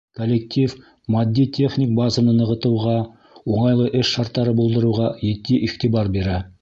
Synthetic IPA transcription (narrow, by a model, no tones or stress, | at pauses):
kolʲːek̚t̪ʲʰif | mɑd̪ʲːit̪ʲʰeχnʲik̚bazɤ̆nɤnɤ̆ʁɤ̆t̪ɤ̆wʁɑ | uɴɑjlˠɤʔɵʃʃɑɾt̪ːɑɾɤbŭlˠd̪ɤ̆ɾuwʁɑjĕt̪ːiʔiχt̪ibɑɾbeɾæ